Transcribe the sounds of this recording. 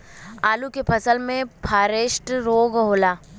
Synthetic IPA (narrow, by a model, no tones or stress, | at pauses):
aːlukepʰɐsəlmẽpʰaːɾeːʃʈɾoːɡɦoːlaː